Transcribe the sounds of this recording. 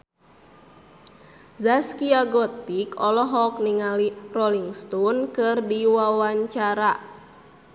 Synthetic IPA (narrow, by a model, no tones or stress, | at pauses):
zaskiaɡɔt̪ikɔlɔɦɔk̚niŋalirɔliŋst̪ɔnkɨrdiwawaɲt͡ʃaɾa